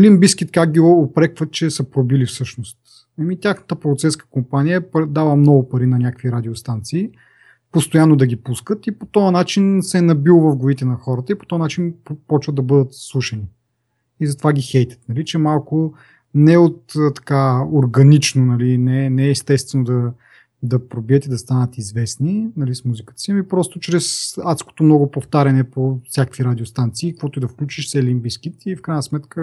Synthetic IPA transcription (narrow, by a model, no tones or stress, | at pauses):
limbiskʲit̪kak̚ɡʲiopɾɛkvət̪̚t͡ʃɛsɐpɾobilifsɤʃnost̪ | ɐmit̪ʲjaxnət̪əpɾot̪sɛskə̥kompanijəpd̪alˠəmnɔɡʊpɐɾinɐnʲakəkviɾad̪iost̪ant̪siː | post̪ojanːod̪ɐɡʲipuskət̪ipot̪ɔɐnat͡ʃinsɛnɐbilˠvɐvɡʊit̪ɛnɐxɔɾət̪əipot̪ɔɐnat͡ʃinpɔt͡ʃvəd̪ɐbɤd̪ət̪slˠuʃɛni | izɐt̪ovaɡʲixɛjt̪ʲə̥t̪nɐlit͡ʃɛmalˠkʊ | nɛot̪ːt̪ɐ̥kaoɾɡɐnit͡ʃnonɐlinɛnɛːst̪ɛst̪vɛnod̪ɐ | d̪ɐpɾobiət̪id̪ɐst̪anət̪izvɛsninɐlismuzikət̪ə̥simipɾɔst̪ot͡ʃɾɛsat̪sko̥t̪omnɔɡopoft̪aɾʲɐnɛpofsʲjakəkviɾad̪ʲiost̪ant̪siːkəkvɔt̪oid̪ɐfklʲut͡ʃiʃsɛlimbiskit̪ifkɾajnəsmɛt̪kə